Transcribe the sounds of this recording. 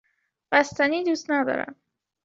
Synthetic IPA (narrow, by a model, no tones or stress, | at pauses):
bæst̪æniːd̪uːst̪næd̪ɒ̰ːɾæ̰m